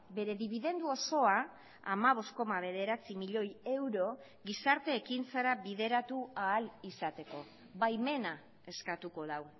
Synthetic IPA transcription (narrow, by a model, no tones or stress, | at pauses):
be̞ɾe̞ðiβiðe̞nd̪uo̞so̞a | amaβ̞o̞sko̞maβ̞e̞ðe̞ɾat͡simiʎo̞je̞wɾo̞ | ɣisaɾt̪e̞ːkint͡saɾaβiðe̞ɾat̪uaːlisat̪e̞ko̞ | βajme̞na | e̞skat̪uko̞ðaw